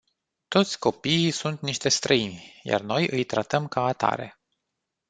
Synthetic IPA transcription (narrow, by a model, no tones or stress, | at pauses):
t̪o̞t̪sʲko̞piːsunt̪niʃt̪e̞st̪ɾəinʲja̰rno̞jʔɨjt̪ɾat̪əmkaːt̪a̰ɾe̞̰